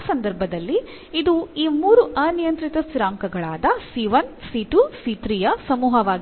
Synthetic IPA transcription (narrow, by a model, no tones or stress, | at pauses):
sɐnd̪ɐɾbʱɐd̪ɐlːi | id̪uiːmuːɾuʔɐnijɐnt̪ɾit̪ɐsiɾaːŋkɐɡɐɭaːd̪ɐsiʋɐnsiʈusit̪ɾijɐsɐmuːɦɐʋaːɡ